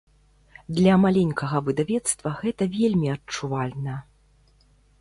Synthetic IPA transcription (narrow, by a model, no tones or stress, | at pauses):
d̪lʲɐmalʲenʲkʰɐɣɐvɨd̪avʲɛt̪st̪vɐɣɛt̪ɐvʲelʲmʲiɐt͡ʂuvalʲnɐ